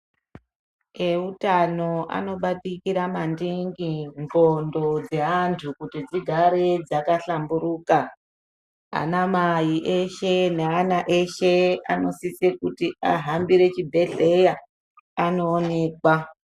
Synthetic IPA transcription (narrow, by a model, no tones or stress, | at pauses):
eutano̞ʔa̰no̞ɓatikiɾamandiŋɡiŋɡondo̞d͡ze̞antʰukutid͡ziɡʱaɾed͡zakaɬambuɾuːka | a̰namajiʔe̞ʃeneanaʔe̞ʃe̞a̰no̞sisekutiaɦambiɾe̞t͡ʃibʱe̞ɮe̞ja | ano̞ːne̞ːkwa